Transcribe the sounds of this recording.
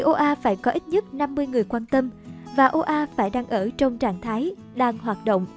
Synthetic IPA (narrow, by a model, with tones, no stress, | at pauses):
ʔo˧ʔaː˧faː˧˩jkɔ˨˦ʔi˦˥t̚ɲə˦˥t̚na˧mːɨ˧əjŋɨ˨˩əjkwaː˧nt̪ə˧mvaː˨˩ʔo˧ʔaː˧faː˧˩jɗaː˧ŋʔəː˧˩t͡ɕɔ˧wŋ͡mt͡ɕaː˧˩˨ŋt̪ʰaː˨˦j | ɗaː˧ŋɦwaː˨˩t̚ɗo̰˧˨wŋ͡m